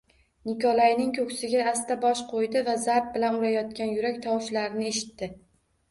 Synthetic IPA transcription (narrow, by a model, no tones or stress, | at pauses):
nɪkɒlˠajnɪŋkʰɵkʲsɪɡʲaːst̪abɒʃqʰojd̪ɪvazaɾp̚bɪlanʊɾajɒt̪̚kʲanjʊɾakʲt̪ʰɒwʃlaɾɪnɪeʃɪ̥t̪ːɪ